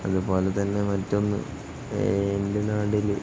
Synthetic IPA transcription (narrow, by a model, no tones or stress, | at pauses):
ɐðupo̞ːlet̪ɐnːe̞mɐtːo̞nːɨ̰ | ndenaːɽil